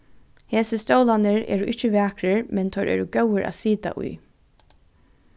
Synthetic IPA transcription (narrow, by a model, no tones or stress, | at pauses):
heːsɪst̪oːwlanɪɹɛ̰ːɹʊʔɪht͡ʃɪʋɛːkɾɪɹmɛnt̪ʰœʔɛ̰ːɹʊɡœwɪɹʔa̰ːsiːt̪a̰ʔʊ̰j